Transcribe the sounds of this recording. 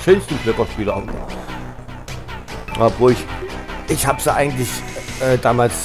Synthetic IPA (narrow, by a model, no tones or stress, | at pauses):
ʃønstn̩fløkɐʃpiːlan | javoːɪçʔɪçhaːbəz̥əʔa̰ɪɡŋ̩tlɪçʔɛːdaːmaːls